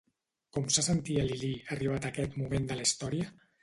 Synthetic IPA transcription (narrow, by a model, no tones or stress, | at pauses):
kɔmsasənt̪iəliliəriβ̞at̪əkɛt̪mumend̪ələist̪ɔɾiə